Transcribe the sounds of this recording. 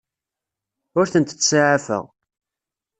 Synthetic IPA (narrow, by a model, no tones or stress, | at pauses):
ʊɾθənt̪ət͡sːsaʕafə̰ʁ